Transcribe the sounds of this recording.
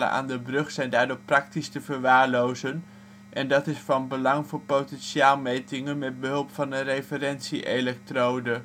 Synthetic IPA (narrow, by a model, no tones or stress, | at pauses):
lə̰nʔa̰ːndəbrɵχsɛjndaːɹdʊːɹprɑk̚tistəvəɹʋaːɹlowzən | ʔɛndɑtɪsfɑnbəlɑŋvʊːɹpowtɛnʃiaːlˠmejtɪŋənmɛd̚bəɦɵlˠpfɑnərejfəɾɛnsiʔelɛk̚trowdə